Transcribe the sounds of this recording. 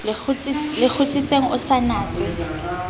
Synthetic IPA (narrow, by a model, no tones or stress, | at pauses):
ʊt͡slɪk͡xʰʊt͡sʼɪt͡sʼeŋ̩ʊsanaːt͡sʼɪ